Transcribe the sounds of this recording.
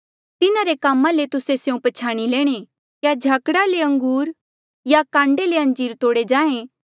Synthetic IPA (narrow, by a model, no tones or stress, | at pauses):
t̪ɪnaɾekaːmãlet̪ʊsesjũpɐt͡ʃʰaːɽ̃ilɛːɽ̃e | kjad͡ʒʱaːkɽaleɐ̃ŋɡuːɾ | jakãːɳɖeleɐ̃nd͡ʒiːɾt̪oːɽed͡ʒãːẽ